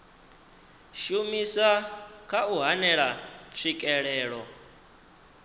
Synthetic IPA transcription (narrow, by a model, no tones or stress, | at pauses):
ʃumisakʰauɦanɛɺat͡sʰikʼɛɺɛːɺɔ